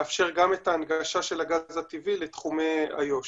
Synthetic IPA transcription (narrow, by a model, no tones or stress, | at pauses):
afʃe̞ʁɡamet̪aːnɡaʃaʃelaɡazat̪ivilet̪χumea̰jo̞ʃ